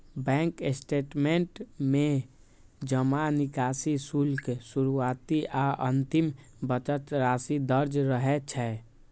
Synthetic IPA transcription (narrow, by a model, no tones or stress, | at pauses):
bɛ̃ːŋkesʈeːʈmẽɳʈmẽ | d͡ʒəmanɪkaːsisulksuɾuaːt̪iʔaʔənt̪ɪm | bət͡ʃət̪ɾaːsid̪əɾd͡ʒɾəɦɛt͡ʃʰɛ